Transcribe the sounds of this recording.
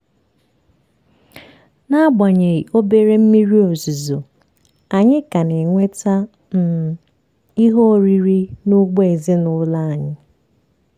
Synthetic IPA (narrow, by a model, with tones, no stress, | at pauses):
na˦ba˨ɲe˨i˨o˦be˦ɾe˦m̩˦mi˦ɾi˦o˨zu˨zo˨ | a˨ɲɪ˦ka˨ne˨ŋʷe˦ta˦ | n̩˦˨ | i˦ɦo˦˨ɾi˦ɾi˦nʊ˦ɡ͡be˦e˨zɪ˦nʊ˦la˦a˨ɲɪ˦